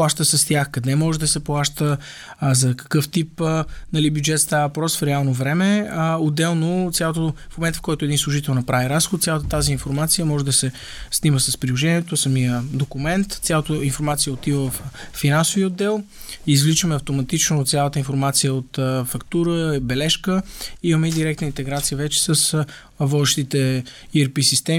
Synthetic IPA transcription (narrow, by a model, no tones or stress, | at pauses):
pˠaʃt̪əsɐst̪ʲjaxkɐd̪ɛmɔʒɛd̪ɐsɛplˠaʃt̪ə | zɐkɐ̥kɤft̪ipnɐlibjʊd͡ʒɛt̪st̪aəvɐpɾɔsfɾɛalˠnovɾɛmɛəod̪ɛlˠnot̪sʲjalˠot̪ofmomɛnt̪fkɔjt̪oɛd̪inslˠʊʒit̪ɛlˠnɐpɾaviɾasxʊod̪sjalˠət̪ət̪aziːnfoɾmat̪sijəmɔʒɛd̪ɐsɛ | sniməsɐspɾilˠoʒɛniɛt̪osɐmijəd̪okumɛnt̪t̪sʲalˠət̪əinfoɾmat̪siəot̪ivəvəfːinansʊviəod̪ːɛlˠ | izvlit͡ʃəmɛɐft̪omɐt̪it͡ʃnot̪sjalˠət̪əinfoɾmat̪sijəot̪fɐkt̪uɾəbɛlɛʃkəimɐmɛid̪iɾɛk̚t̪nəint̪ɛɡɾat̪sijəvɛt͡ʃɛ̥səs | vɔd̪ɛʃt̪it̪ɛ | iɛɾpisist̪ɛm